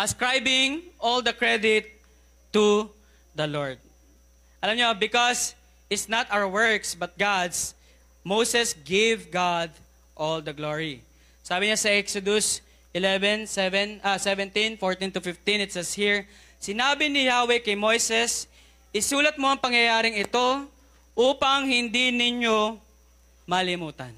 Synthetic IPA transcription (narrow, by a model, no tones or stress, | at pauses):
ʔɐskɹajbɪŋʔɔld̪ɐkɹɛd̪ɪt̪ː | u | d̪ɐlɔɹd̪̚ | ʔɐlamɲobɪkos | ʔɪt̪snɐt̪awəɹwɛɹksbɐt̪̚ɡad̪s | mowsɛsɡevɡad̪ | ʔɔld̪ɐɡloɹi | saːbɪɲasɐʔɛksod̪ʊs | ʔɪlɛvɛ̃nsɛvɛnɐsɛvɛ̃nt̪ĩnfoɹt̪ĩnt̪ʊfɪft̪ɪ̃nɪt̪sɛshiɹ | sɪnaːbɪnɪhawɛkɐjmojsɛs | ʔɪsuːlɐt̪̚mo̞ʔɐŋpɐŋjɐjaːɾɪŋɪt̪o̞ | ʔuːpɐŋhɪnd̪inɪɲo | mɐlɪmuːt̪ɐn